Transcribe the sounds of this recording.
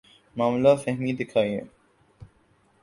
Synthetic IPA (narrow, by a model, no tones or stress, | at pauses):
maːmlaːfɐɦmiːd̪ɪkʰaːiḛ̃